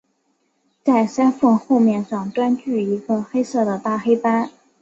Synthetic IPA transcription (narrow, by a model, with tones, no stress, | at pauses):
t͡sa˥˩ɪsa˥nfɤ˥˧ŋxo˥˧ʊmjɛ˥˧nʂɑ˥˩ŋʈ͡ʂ̪wa˥nt͡ɕy˥˩i˧˥ɡə˧xe˥ɪsɤ˥˩d̪ə˩t̪a˥˩xe˥ɪpa˥n